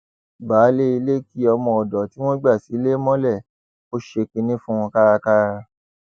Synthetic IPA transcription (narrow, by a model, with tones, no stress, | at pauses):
baː˨˦le˦i˧le˦ki˦ɔ˧mɔ̃˧˨ɔ˨dɔ˨ti˦w̃ɔ̃˦ɡ͡ba˦˨si˨˦le˦mɔ̃˦lɛ˦˨ | o˦ʃe˧ki˧nĩ˦fũ˦w̃ɔ̃˧ka˦ɾa˧ka˦ɾa˧